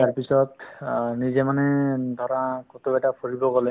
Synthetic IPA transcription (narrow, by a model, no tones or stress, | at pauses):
aɹpisɔtnizɛmanɛd̪ʱɔɹãkot̪oɛtapʰoɹibɔɡɔlɛ